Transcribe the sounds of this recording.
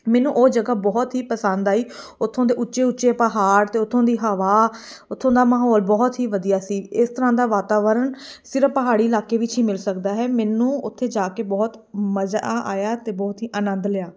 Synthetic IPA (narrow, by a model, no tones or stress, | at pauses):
mɛːnũːʔoːd͡ʒəɡaːbɔːt̪ɦiːpəsənd̪aːiːʊt̪ʰːõːd̪eːʔʊtːʃeːʊtːʃeːpəɦaːɾt̪eːʊt̪ʰːõːd̪iːɦəʋaːʊt̪ʰːõːd̪aːməɦɔːlbɔːt̪ɦiːʋəd̪ijaːsiːɪst̪əɾãːd̪aːʋaːt̪aːʋəɾəɳsɪɾəpəɦaːɽiːlaːkeːʋɪt͡ʃɦiːmɪlsəkd̪aːɦɛːmɛːnũːʊt̪ʰːeːd͡ʒaːkeːbɔːt̪məzaːʔa̰ːjaːt̪eːbɔːt̪ɦiːʔaːnə̃nd̪lɪjaː